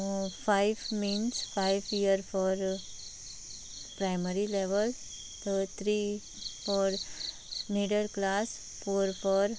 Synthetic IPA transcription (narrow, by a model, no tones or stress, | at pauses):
fajʋmiːnsfajʋijəɾfɔɾ | pɾajməɾileʋəl | t̪ət̪ʰɾi | fɔɾ | miɖəɾklas | foɾfɔɾ